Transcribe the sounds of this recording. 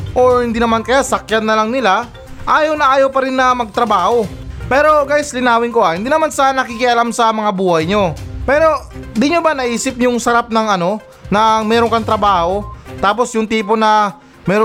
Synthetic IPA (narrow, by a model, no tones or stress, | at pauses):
ʔo̞ɹhɪnd̪inɐmankɐjasɐkjanːɐlɐŋnɪla | ʔaːjɐwnɐʔaːjɐwpɐɾɪnːɐmɐɡ̚t̪ɾɐbaːho̞ | pɛːɾo̞ɡajslɪnaːwɪŋkoʔahɪnd̪iːnɐmansɐnɐkikɪʔɐlamsɐmɐŋabuːhɐjɲo̞pɛːɾo̞d̪ɪɲobanɐʔiːsɪp̚ɲʊŋsɐɾap̚nɐŋɐno̞ | nɐmɛːɾo̞ŋkɐŋt̪ɾɐbaːho̞t̪aːpo̞sjʊŋt̪iːpo̞nɐ | mɛːɾo